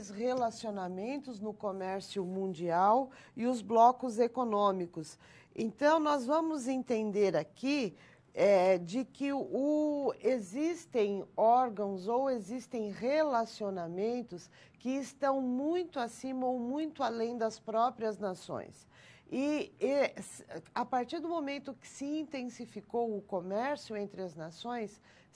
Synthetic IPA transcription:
shelasionamẽnt̪ʊznʊkomɛɾsjʊmũnd͡ʒiaw | ɪʊzblɔkʊzekonõmikʊs | ḛ̃nt̪ɐ̃w̃nɔzvɐ̃mʊzẽnt̪ẽnd̪eɾaki | ɛd͡ʒɪkɪʊezist̪ẽj̃ɔɾɡɐ̃w̃zowezist̪ẽj̃ʁelasionamẽnt̪ʊs | kɪːst̪ɐ̃w̃mũj̃t̪ʊasĩmɐowmũj̃t̪ʊalẽj̃d̪ɐspɾɔpɾiɐznasõ̰j̃s | ɪesapaɾt͡ʃiɾd̪ʊmomẽnt̪ʊkɪ̥sɪĩnt̪ẽsifikowʊkomɛɾsjʊẽnt̪ɾɪɐznasõj̃s

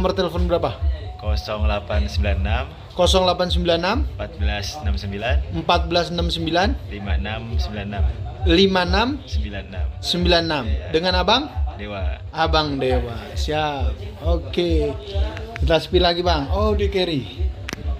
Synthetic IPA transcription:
mərt̪eləfɔnbəɾapakɔsɔŋlapansəmbilannam | kɔsɔŋlapans̬əmbilanːampat̪̚bəlasnamsəmbilanəmpat̪̚bəlasnamsəmbilanlimanamsəmbilannamlimanamsəmbilannamsəmbilanːamdəŋanabaŋdewa | abaŋdewasiap̚oke | t̪aspilaɡibaŋodekeɾi

